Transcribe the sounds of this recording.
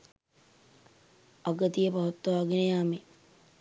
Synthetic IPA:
aɡət̪ijəpaʋɐt̪ːoʋaːɡenəjaːme

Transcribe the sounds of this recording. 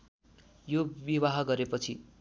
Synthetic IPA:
jobiwaɦʌɡʌɾepʌt͡sʰi

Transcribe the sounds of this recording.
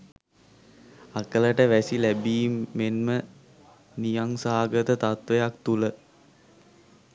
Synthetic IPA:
akələʈəʋæsilæbiːmːenmə | nijaŋsaːɡət̪ət̪at̪ʋejakt̪ulə

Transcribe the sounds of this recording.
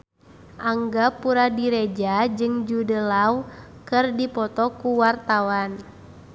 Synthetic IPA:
ʔaŋɡapuɾadiɾed͡ʒad͡ʒɨŋd͡ʒudəlauwkɨrdipɔt̪ɔkuwart̪awan

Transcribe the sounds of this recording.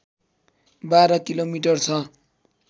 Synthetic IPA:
baɾʌkilomiʈʌrt͡sʰʌ

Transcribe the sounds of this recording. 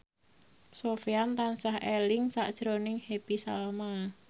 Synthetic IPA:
sofiant̪ansahelɪŋsa̰ʔd̥ʒ̥ɾonɪŋhepisa̰lma

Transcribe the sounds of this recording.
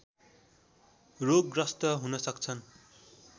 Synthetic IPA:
roɡrʌst̪ʌɦunʌsʌkt͡sʰʌn

